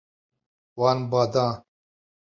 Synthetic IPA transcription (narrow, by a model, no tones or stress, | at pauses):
waːnbaːd̪ãː